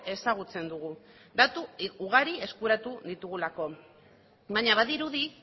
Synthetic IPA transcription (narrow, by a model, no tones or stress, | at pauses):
e̞saɣ̞ut͡se̞nd̪uɣ̞u | d̪at̪uːɣ̞aɾie̞skuɾat̪uðit̪uɣulako̞ | baɲaβaðiɾuði